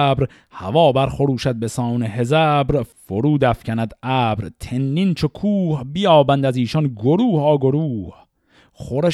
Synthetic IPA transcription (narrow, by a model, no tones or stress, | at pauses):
bɾ | hævɒːbæɾxoɾuːʃæd̪̚be̞sɒːneɦezæbɾfoɾuːd̪æfcʰænæd̪æːbɾt̪ʰenːint͡ʃʰokʰuːhbijɒːbænd̪æziːʃɒnɡoɾuːhɒːɡoɾuːh | χoɾe